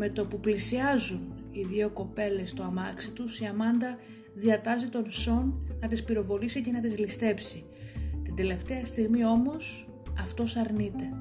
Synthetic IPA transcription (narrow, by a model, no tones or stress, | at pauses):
me̞t̪o̞puplisiɐzun | iðioko̞pe̞le̞st̪oɐmɐksit̪usiɐmɐnd̪ɐ | ðiɐt̪ɐzit̪o̞nso̞nːɐt̪ispiɾo̞vo̞lisice̞nɐt̪izlist̪e̞psi | t̪ind̪e̞le̞ft̪e̞ɐst̪iɣmio̞mo̞s | ɐft̪o̞sɐɾnit̪e̞